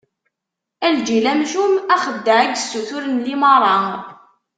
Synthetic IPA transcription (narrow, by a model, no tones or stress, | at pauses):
æld͡ʒilæmʒumæχəd̪ːəʕæɡsːuθʊɾənlimɑɾˤɑ